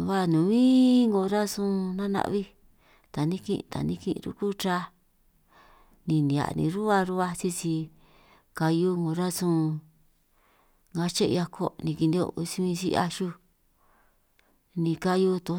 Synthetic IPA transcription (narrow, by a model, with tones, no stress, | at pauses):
βa˦˧nũ˨βĩ˦ŋɡo˧ɾa˦sũ˦nã˦nã̰˧βi˦ | t̪a˨nĩ˦kḭ̃˧ʔt̪a̰˨nĩ˧kḭ̃˧ɾṵ˦ku˦t͡ʃa˧˦ | nĩ˧nĩ˨a̰˨nḭ̃˧ɾu˦a˧ɾu˦βa˧t͡ʃi˦t͡ʃi˧ | ka˧ju˦ŋɡo˧˨ɾa˦sũ˦˧ | ŋɡa˧t͡ʃe˦˧ja˧kʰo˦nĩ˧ki˧nd̪i˧o̰˧si˧βĩ˧sḭ˧˦˧a̰˧ʃu˦ | nĩ˧ka˧ju˧t̪o˧˦